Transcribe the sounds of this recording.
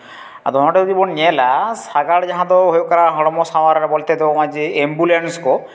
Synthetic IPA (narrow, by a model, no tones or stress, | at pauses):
ad̪ʱɔnɔʈad̪ibɔnɛlasaɡaɽd͡ʒaɦãt̪ɔɦojkaɾaɦɔɽɔmɔsawaɾbolt̪ed̪ebɔad͡ʒeembulenskɔ